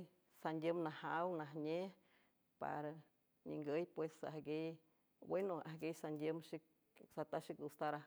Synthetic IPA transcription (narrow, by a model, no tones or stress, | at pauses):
sandʲjəmnahawnaɦɲe | pa̰ɾa | ɲḭŋɡəjpwesa̰hɡej | wenoa̰ɦɡejsand̪ʲəmʃik̚ | sat̪aʃik̪̚ust̪aɾa